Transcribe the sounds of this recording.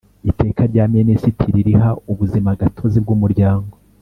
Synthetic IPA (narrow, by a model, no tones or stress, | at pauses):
ite̞ːkaɾɟaːmenesitʰiɾiɾihauβuzimaɡatʰo̞zib̚ɡumuɾɟaːŋɡo